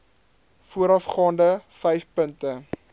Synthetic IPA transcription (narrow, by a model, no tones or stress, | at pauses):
fuəɾɐfχɑːndəfɛjfpəntə